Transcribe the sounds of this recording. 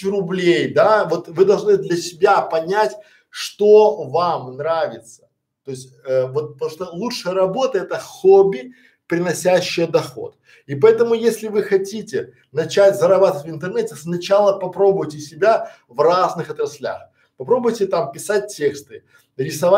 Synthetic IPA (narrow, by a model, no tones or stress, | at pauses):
t͡ɕʲrʊblʲejd̪avo̞t̪vɨd̪ɐlˠʐnɨd̪lʲɐsʲɪbʲapɐnʲætʲ | ʂt̪ovamnɾavʲɪt̪sə̥ | t̪o̞ɪsʲtʲəvo̞t̪̚pt̪muʂt̪olˠutʂɨjəɾɐbo̞t̪əɛt̪əxobʲɪ | pɾʲɪnɐsʲæɕːɪjəd̪ɐxo̞̰t̪̚ | ipɐɛt̪əmʊjesʲlʲɪvɨxɐtʲitʲɪ | nɐt͡ɕætʲzəɾɐbat̪əvətʲvɨnt̪ɨrnɛtʲɪsnɐt͡ɕalˠəpɐpɾo̞bʊjtʲɪsʲɪbʲa | vraznɨxɐt̪ɾɐsʲlʲa̰x | pɐpɾo̞bʊjtʲɪt̪ampʲɪsat̚ʲtʲːe̞kst̪ɨ | ɾʲɪsɐva